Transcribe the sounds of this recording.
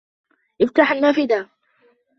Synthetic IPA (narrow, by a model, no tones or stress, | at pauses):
ʔɪft̪aːħanːaːfɪd̪aː